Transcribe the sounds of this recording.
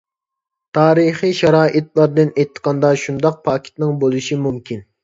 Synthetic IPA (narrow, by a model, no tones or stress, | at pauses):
t̪ʰɑːɾiχijʃɑɾɑːʔɪt̪lˠɑɾd̪ɨnejt̪ʰːə̥qʰɑnd̪ɑʃund̪ɑq̚pʰɑːkʲʰi̥t̪nɪŋbolˠuʃimumkʲin